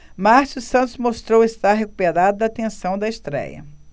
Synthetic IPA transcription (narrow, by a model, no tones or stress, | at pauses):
maɾsusɐ̃nt̪ʊzmost̪ɾowest̪aɾɦeku̥peɾad̪ʊd̪ɐt̪ẽsɐ̃w̃d̪ɐest̪ɾɛ̰jɐ̰